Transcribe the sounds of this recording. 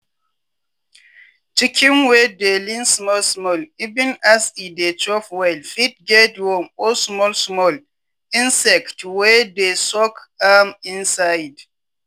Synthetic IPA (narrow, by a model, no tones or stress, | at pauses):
t͡ʃikʰĩnwedelĩnsmɔlsmɔlivĩnasidet͡ʃɔfwɛlfit̚ɡɛtwɔmosmɔlsmɔl | ĩnsɛktwɛdesɔkamĩnsajd